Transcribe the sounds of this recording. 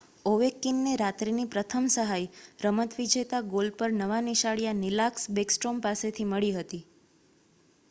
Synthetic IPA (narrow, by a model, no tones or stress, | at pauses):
oʋekːinːeɾat̪ɾinipɾət̪ʰəmsəɦajɾəmət̪ʋid͡ʒet̪aɡolpəɾnəʋaniʃaɭijanilaksbeksʈɾompaset̪ʰiməɭiɦət̪i